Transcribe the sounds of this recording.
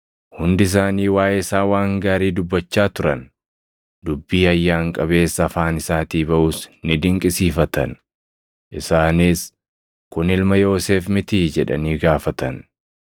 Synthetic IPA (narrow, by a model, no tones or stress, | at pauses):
hʊnd̪ɪs̬aːniːwaːjɛɪsaːwaːŋɡaːɾiːd̪ʊbːɐt͡ʃːaːt̪ʊɾɐn | d̪ʊbːiːɐjːaːŋkʼɐβe̞ːsːɐfaːnɪsaːt̪iːbɐʔuːsnɪd̪ɪŋkʼɪsiːfɐt̪ɐ̰n | ʔɪsaːniːs | kʊnɪlmɐjo̞ːseːfmɪt̪iːd͡ʒɛᶑɐ̰niːɡaːfɐt̪ɐn